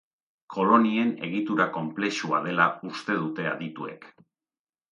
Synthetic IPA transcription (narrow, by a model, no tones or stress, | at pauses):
kʰo̞lo̞nie̞ne̞̰ɣ̞it̪uɾako̞mple̞ʃua̰ð̞e̞laust̪e̞ð̞ut̪e̞a̰ðit̪ue̞̰k